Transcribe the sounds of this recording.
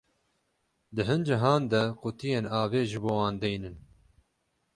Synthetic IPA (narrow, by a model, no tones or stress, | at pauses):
d̪ɨɦɨnd͡ʒɪɦɑːnd̪ɛqʊt̪ijeːnɑːveːʒɨboːwɑːnd̪ɛjnɨn